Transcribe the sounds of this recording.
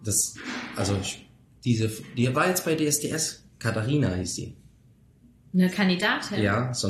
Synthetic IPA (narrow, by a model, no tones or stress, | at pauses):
d̥asʔalzo | d̥iːzəfd̥iːvaːjɛt͡sb̥aɪdeːɛsd̥eːʔɛskʰataʁiːnahiːsd̥ḭː | nəkʰandidaːtʰɪnjaːz̥o